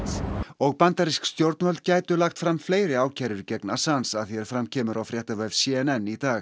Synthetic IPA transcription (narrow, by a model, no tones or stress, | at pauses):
ɔɣpant̪aɾiskst̪jowɾt̪nhœlt̪caːjt̪ʏlaxt̪fɾamːfleːjɾɪaːwcʰaːɾʏɾicɛknasansaðθjɛɾ̥fɾamcʰɛːmʏɾawfɾjɛht̪avɛv̥sɛɛnɛnːit̪aːɣ